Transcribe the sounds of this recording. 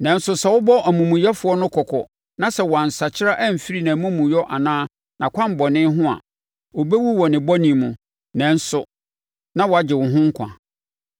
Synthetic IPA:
nɛ̃˨n̩˦sʊ˨sɛ˨wʊ˦bɔ˦ʔæ˨mũ˨mũ˨jɛ˦fʊ˨˦ɔ˦nʊ̃˦kʰɔ˨kʰɔ̰˨ | nã˦sɛ˨wɔ˨a˨n̩˨sa˨t͡ɕʰɪ˦ɾa˦ʔɛ˦m̩˨fi˦ɾi˦nã˨mũ˦mũ˨jɔ˦ʔa˨nãː˦ | nã˨kʷʰã˦m˨bɔ˨nɪ̃˦ɦʊ̃˦a̰˨ | wo˨be˦wu˦wɔ˨nɪ̃˨bɔ˦nĩ˨mũ˨ | nɛ̃˨n̩˦sʊ˨ | nã˦wɔ˨a˨d͡ʑɪ˨wʊ˨ɦʊ̃˦ŋ̩˦kʷʰã̰˨

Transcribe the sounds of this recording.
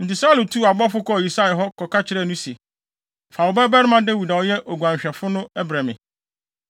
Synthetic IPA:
n̩˨tɪ˨sa˦lu˨tʰu˦˨a˨bɔ˦fʊ˦kɔ˦˨i˨sa˦˨ɦɔ˦kʰɔ˨ka˦t͡ɕʰɪ˦ɾɛ˦˨nʊ̃˦si˨e˨ | fa˨wʊ˨bɛ˦bɛ˦ɾɪ˦mã˦dɪ˦wu˨dã˨wʊ˦jɛ˦ʔo˨ɡu˨ã˨ɲ˨ɕᶣɛ˨fʊ˦nʊ̃˦ɛ˦bɾã˨mɪ̃˨

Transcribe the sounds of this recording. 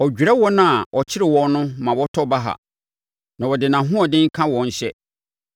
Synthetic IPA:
ɔ˨d͡ʑᶣɾɛ˦wɔ˦nã˦a˨ʔɔ˨t͡ɕʰɪ˦ɾɪ˨wɔ̃˦nnʊ̃˦mã˨wɔ˦tʰɔ˦ba˦ɦa̰˨ | nã˨wɔ˨dɪ˨nã˨ɦũ˦ɔ̃˨dɪ̃˦ŋ˦kʰã˦wɔ̃˨ɲ̩˦ɕɛ˦

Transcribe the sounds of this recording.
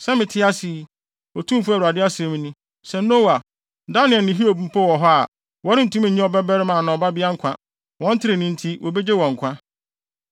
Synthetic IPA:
sɛ˦mɪ̃˨tʰɪ˦a˦sɪ˨ | ɔ˨tʰũ˦m˦fu˦˨u˨a˨dɪ˦a˦sɛ˨˦mĩ˦nũ˦ | sɛ˨nː˦o˦wa˨ | da˦nɪ̃˨ɛ˨nɪ̃˨ɦi˦o˨bu˨˦m̩˦pʰɔ˦wɔ˨ɦɔ˦a˨ | wɔ˨˦ɾɪ˦n̩˨tʰũ˦m̃˨ɲĩ˦ɔ˨bɛ˦bɛ˦ɾɪ˦mã˨nã˨ɔ˨ba˦bɪ˦a˦ŋ̩˦kʷʰã˦ | wɔ̃˦n̩˦tʰɪ˦ɾe˨nĩ˦n̩˦tʰi˦wɔ˨be˦d͡ʑe˦wɔ̃˨ŋ̩˨kʷʰã˦

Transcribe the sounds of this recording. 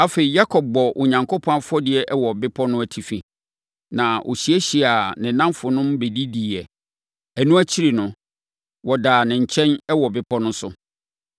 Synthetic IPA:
a˦fe˨i˨ja˦kʰɔ˨b̚bɔ˨ʔo˨ɲã˨ŋkʰo˦pʰɔ̃˦a˦fʊ˦ɔ˦dɪ˨ɛ˦ʔwɔ˨bɪ˦pʰɔ˦nʊ̃˦æ˨tʰi˨fi˨ | nã˨ʔo̰˨ɕi˨˦æ˦ɕi˨a˨nɪ̃˨nã˦mfʊ˨nʊ̃˦mbe˨di˦di˨ɛ˨ | æ˨nũ˦æ˦t͡ɕʰi˦ɾi˨nʊ̃˨ | wɔ˨daː˨nɪ̃˨ɲ̩˨t͡ɕʰɛ̃˦nɛ˦wɔ˨bɪ˦pʰɔ˦nʊ̃˦sʊ˦

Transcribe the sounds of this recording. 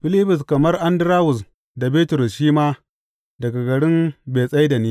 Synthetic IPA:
ɸɪ˦liː˦ɸʊ˨s̬kɐ˨mɐ˦rʔa˦ndɪ˦ɾaː˦wʊ˨s | da˨beː˦tʊ˨ɾʊ˨sʃiː˦maː˦ | dɐ˨ɡa˨ɡɐ˨ɽɪ˦mbeː˨sʼɐ˦jda˨niː˦

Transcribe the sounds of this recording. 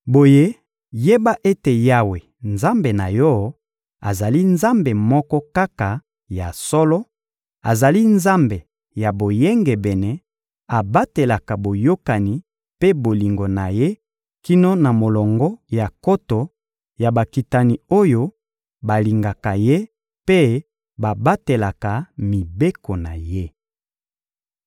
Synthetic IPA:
bo˨je˦ | je˦ba˦ʔe˦te˨ja˦we˨ | nza˦mbe˨na˨jɔ˦ | a˨za˨li˦nza˦mbe˨mɔ˦kɔ˦ka˦ka˨ | ja˨sɔ˦lɔ˦ | a˨za˨li˦nza˦mbe˨ | ja˨bo˨je˦ŋɡɛ˨bɛ˨nɛ˨ | a˨ba˦te˨la˨ka˨bo˨jo˦ka˨ni˨ | pe˦bo˨li˨ŋɡo˨na˨je˦ | ki˦no˦na˨mo˨lɔ˨ŋɡɔ˦ja˨ko˦to˨ | ja˨ba˨ki˨ta˨ni˨o˦jo˦ | ba˨li˨ŋɡa˨ka˨je˦ | pe˦ | ba˨ba˦te˨la˨ka˨mi˨be˦ko˨na˨je˦

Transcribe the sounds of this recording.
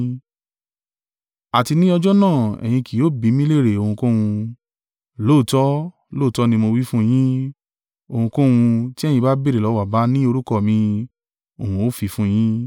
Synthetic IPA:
a˨ti˧nĩ˦ɔ˧d͡ʒɔ˦nãː˦˨ɛ̰˨j̃ĩ˧ki˨oː˨˦bi˨˦mĩ˦le˦˨ɾe˨o˧˨hũ˧kõ˦w̃ũ˧ | lo˦˨tɔ˦ | lo˦˨tɔ˦nĩ˧mo˧wi˦fũ˦˧j̃ĩ˦ | o˧hũ˧kõ˦wũ˧ti˦ɛ˦˨jĩ˧ba˦be˦ɾe˨lɔ˨˦wa˨ba˨˦nĩ˦o˧ɾu˦kɔ˦˨mĩ˧ | o˨hũ˧o˦fi˧fũ˦˧˦j̃ĩ˦

